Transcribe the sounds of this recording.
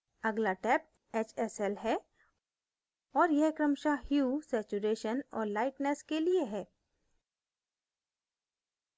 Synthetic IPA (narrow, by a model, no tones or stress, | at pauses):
ɐɡlaʈɛːp̚ | eːt͡ʃɛsɛlɦɛ | ɔːɾjɛɦkɾəmʃahjuːsɛːt͡ʃuɾeːʃənɔ̰ːɾlaːɪʈnɛskelieɦɛː